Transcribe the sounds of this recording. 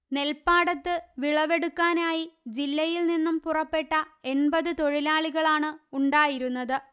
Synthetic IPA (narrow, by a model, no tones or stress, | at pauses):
ne̞lpaːɽɐt̪ːɨʋiɭɐʋe̞ɽukːaːnaːjid͡ʑilːɐjilninːumpurɐpːe̞ʈːɐe̞nbɐðɨt̪o̞ɻilaːɭiɣɐɭaːɳɨuɳɖaːjiɾunːɐðɨ